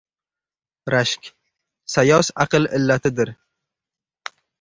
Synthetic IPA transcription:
ɾaʃkʲ | sajɒsaqɨlɪlːat̪ʰɪd̪ɪɾ

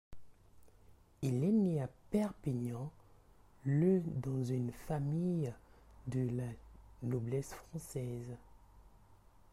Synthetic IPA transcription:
ilɛneapɛʁpiɲɑ̃ | ləd̪ɑ̃zynfamijd̪əlanoblɛsfχɑ̃sɛz

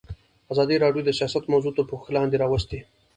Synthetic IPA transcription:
azɑd̪iɾɑɖjod̪əsijɑsat̪mawzut̪apəxklɑnd̪eɾɑwəst̪e

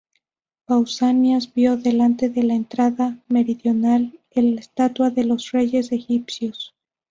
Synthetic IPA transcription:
bawsanjazbjo̞ðe̞lant̪e̞ðe̞lae̞nt̪ɾaðame̞ɾiðjo̞nal | elest̪at̪waðe̞lo̞sre̞ʝe̞se̞xipsjos

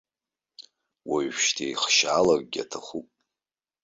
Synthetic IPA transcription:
waɥʃtʰejχʃaːlak̚ʼɡʲa̰tʰaχʷupʼ

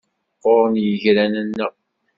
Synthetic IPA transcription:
qʊɾˤənjəʝɾænənːə

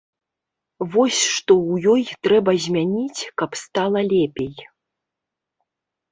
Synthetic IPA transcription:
vɔsʲʂt̪ɔwjɔjt̪ɾɛbɐzʲmʲanʲit͡sʲkɐpst̪alˠɐlʲɛpʲej

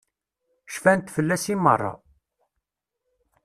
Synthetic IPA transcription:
ʃfænt̪fəlːæsimə̰rˤːɑ̰

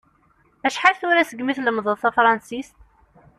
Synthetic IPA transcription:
æʃħalθʊɾæsəɡmiθləmðˤəðˤθæfɾˤɑnsist̪

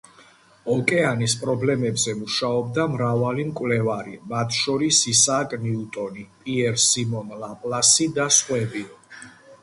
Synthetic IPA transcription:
ɔkʼɛanispʼɾɔblɛmɛbzɛmuʃaɔb̚d̪amɾavalimkʼwvlɛvaɾimat̪ʰʃɔɾisisakʼniut̪ʼɔnipʼiɛɾsimɔnlapʼlasid̪asχwɛbi

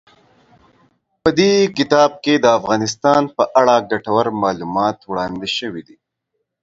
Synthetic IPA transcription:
pəd̪ekɪt̪ɑːb̚ked̪əafɣɑːnɪs̬t̪ɑːnpəʔaɽaɡaʈawəɾmɑːlumɑːt̪wɽɑːnd̪eʃəwid̪i

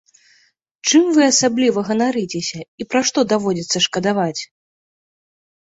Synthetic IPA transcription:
t͡ʂɨmvɨasablʲivɐɣɐnaɾɨt͡sʲesʲɐipɾaʂt̪ɔd̪avɔd͡zʲit̪sːɐʂkɐd̪avat͡sʲ

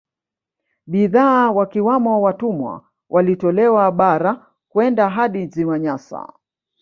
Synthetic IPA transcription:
ɓiðaːwakiwamɔwatumwa̰ | wʔalitɔlɛwaɓaɾa | kwɛndaɦaɗiziwaɲasa̰

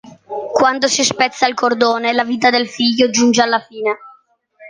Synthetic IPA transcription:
kwand̪osispɛt̪sːailkord̪oːnelaviːt̪ad̪elfiʎːod͡ʒund͡ʒealːafiːne

